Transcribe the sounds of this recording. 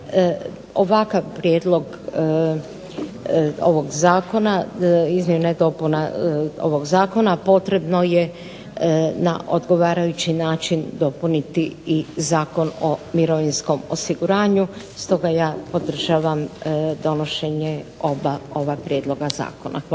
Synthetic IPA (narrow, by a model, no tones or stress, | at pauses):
oʋakaʋpɾjeːd̪lˠo̞ɡ | o̰ʋo̞ɡzaːko̞naizmeuned̪o̞punao̰ʋoɡzaːko̞napo̞t̪ɾe̞bno̞je | na̰ʔod̪ɡo̞ʋaːɾajut͡ɕinaːt͡ʃind̪o̞punit̪iːzaːko̞no̞miɾoʋinsko̞mo̰siɡuɾaːɲu | st̪o̞ɡajaːpo̞d̪r̩ʒaːʋamd̪o̞no̞ʃe̞ɲeo̞bao̞βapɾje̞ːd̪lˠo̞ɡaza̰ːkona̰